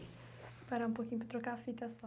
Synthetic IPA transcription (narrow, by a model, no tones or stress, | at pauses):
paɾaũpokiɲupɾɐt̪ɾokaɾfit̪ɐsɐ